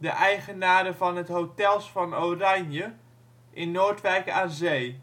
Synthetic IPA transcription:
dəʔɛjχənaːɾəvɑnɦətɦotɛlˠsfɑnowranjə | ʔɪnːoːɹtʋɛjkaːnzej

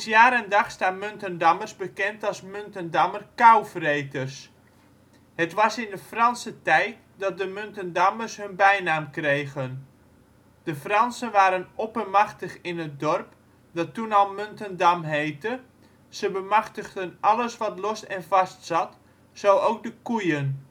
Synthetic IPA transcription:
sjaːɾəndɑχstaːtmøntəndɑmərsbəkɛntɑlˠsmøntəndamərkawfrejtərs | hətʋɑsɪndəfrɑnsətɛjt | dɑt̚dəmøntəndamərsɦɵnbɛjnaːmkrejɣən | d̥əfrɑnsənʋaːɾənɔpəmɑχtəχɪnət̚dɔrp | dɑtːunɑlˠmøntəndamɦejtə | səbəmaχtəχdənʔɑləsʋɑtlosɛnvɑstsɑt | sowowk̚dəkujən

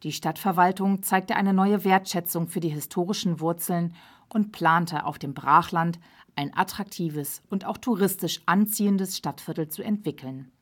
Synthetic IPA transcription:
d̥iːʃtatfɛɐvaltʊŋt͡saɪk̚təʔaɪnənɔʏəveːɐtʃɛt͡sʊŋfyːɐdiːɦɪstʰoːʁ̞ɪʃn̩vʊɐt͡sl̩n | ʔʊntpʰl̥aːntəʔa̰ʊfd̥eːmbʁaːχlant | ʔaɪnʔa̰tʁ̥ak̚tʰiːvəsʊntaʊxtʰuʁɪstɪʃʔant͡siːəndəsʃtatfɪɐtl̩t͡suɛntv̥ɪkl̩n

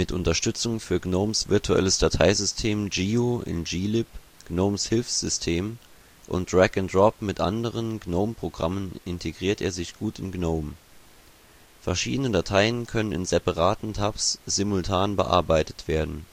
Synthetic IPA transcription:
mɪtʔʊntɐʃtʏt͡sʊŋfyːɐɡnoʊmsv̥ɪɐtʰuʔɛ̰ləsd̥atʰaɪzʏstʰeːmd͡ʒiːoʔɪ̰nd͡ʒiːlɪp | ɡ̥noʊmshɪlfsz̥ʏstʰeːm | ʔʊ̰ntd̥ʁɛkʊndʁɔpmɪtʔa̰ndəʁ̞ənɡnoʊmpʁ̥oɡʁamənɪntʰeɡʁiːɐtʔeːɐzɪçɡ̥uːtɪnɡnoʊm | fɛɐʃiːdənədatʰaɪənkʰœnənɪ̰nzɛpaʁaːtn̩tʰapsz̥ɪmʊltʰaːnbəʔa̰ɐbaɪtə̥tv̥eːɐdn̩

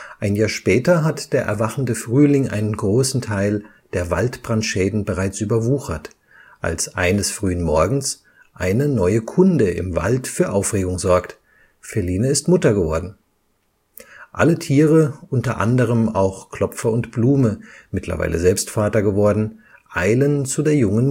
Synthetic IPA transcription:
ʔaɪnjaːʃpɛːtɐɦatd̥eːɐʔɛ̰ɐvaχn̩dəfʁ̥yːlɪŋʔa̰ɪnənɡʁoːsn̩tʰaɪl | d̥eːɐva̰ltb̥ʁanʃɛːdn̩bəʁaɪt͡sʔyːbɐvuːxɐt | ʔa̰lsʔaɪnəsfʁ̥yːənmɔɐɡŋ̩s | ʔa̰ɪnənɔʏəkʰʊndəɪ̰mva̰ltfyːɐʔaʊfʁ̥eːɡʊŋzɔɐkt | fɛliːnəɪstmʊtɐɡəvɔɐdn̩ | ʔa̰lətʰiːʁ̞əʔʊntɐʔa̰ndəʁ̞əma̰ʊxkʰl̥ɔfɐʊntb̥luːməmɪtʰlɐ̰va̰ɪlə̰zɛlpstfaːtɐɡəvɔɐdn̩ʔaɪlənt͡sudeːɐjʊŋən

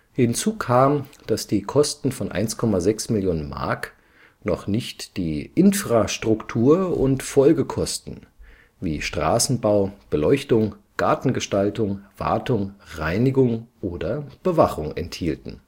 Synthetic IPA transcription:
hɪnt͡suːkʰaːmd̥asd̥iːkʰɔstn̩fɔnʔa̰ɪnskʰɔmazɛksmɪljoːnənma̰ɐk | nɔχnɪçtd̥iːʔɪnfʁ̥aʃtʁ̥ʊktʰuːɐʊ̰ntfɔlɡəkʰɔstn̩ | viːʃtʁ̥a̰ːsn̩baʊb̥əlɔʏçtʊŋɡ̥aɐtn̩ɡəʃtaltʊŋv̥a̰ɐtʊŋʁaɪnɪɡʊŋʔoːdɐb̥əvaχʊŋɛ̰nthiːltn̩

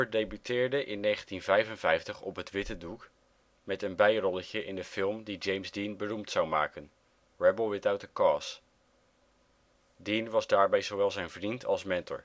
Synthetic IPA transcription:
əɹdejbytʰɪːɹdəʔɪnːejχəntinvɛjvənvɛjftəχɔpɦətʋɪtəduk | mɛtənbɛjrɔləcəʔɪndəfɪlˠmdid͡ʒejmzdinbənumtsawma̰ːkən | ɹɛbəlˠʋɪtaɥtəkɑːs | dinʋɑzdaːɹbɛjzowʋɛlˠzɛjnvrintʰɑ̰lˠsmɛntɔ̰ɹ

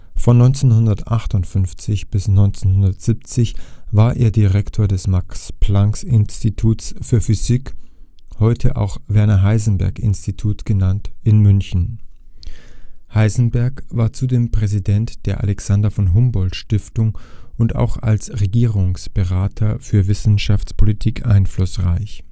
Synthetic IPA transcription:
fɔnːɔʏnt͡senhʊndɐtʔaχtʊntfʏnft͡sɪçb̥ɪsnɔʏnt͡senhʊndɐtz̥ip̚t͡sɪçvaːɐʔeːɐdiʁɛktʰoːɐdɛsmakspʰlaŋksɪnstitʰuːtsfyːɐfyzik | hɔʏtʰəʔa̰ʊxvɛɐnɐɦaɪzn̩bɛ̰ɐkɪ̰nstitʰuːtɡ̥ənantɪnmʏnçn̩ | haɪzn̩bɛɐkvaːɐt͡sudeːmpʁ̥ɛzidɛntd̥eːɐʔa̰lɛksandɐfɔnɦʊmbɔltʃtɪftʊŋʔʊnta̰ʊxa̰lsʁeɡiːʁʊŋsb̥əʁaːtʰɐfyːɐvɪsn̩ʃaft͡spʰolitʰiːkʰʔa̰ɪnflʊsʁa̰ɪç

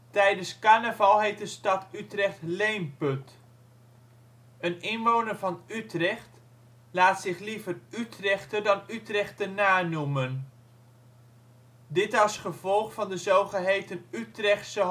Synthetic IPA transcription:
tɛjdənskaːnəvɑlˠɦejt̚dəstɑtytrɛχtlejmpɵt | ənɪnʋownərvɑnytrɛχt | laːtsɪχlivərytrɛχtərdɑnytrɛχtərnaːnumən | dɪtɑsχəvɔlˠχfɑndəzowχəɦejtənytrɛχtsə

